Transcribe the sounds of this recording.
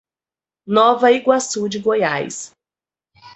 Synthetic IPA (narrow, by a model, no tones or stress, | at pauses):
nɔvɐiɡwasud͡ʒɪɡoja̰js